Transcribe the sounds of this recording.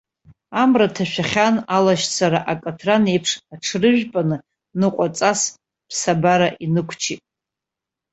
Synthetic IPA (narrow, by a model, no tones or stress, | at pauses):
amratʰaʃᶣaχʲanalaʃt͡sʰaɾaʔakʼatʰrane̞jpʰʂaʈ͡ʂʰrɨʒᶣpʼanɨ | nɨqʷʼat͡sʼas | pʰsabaɾaʔinɨkʷʰt͡ʃʰitʼ